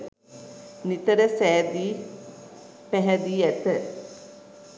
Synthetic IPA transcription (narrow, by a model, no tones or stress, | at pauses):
nit̪əɾəsæːd̪iː | pæɦɛd̪iːæt̪ə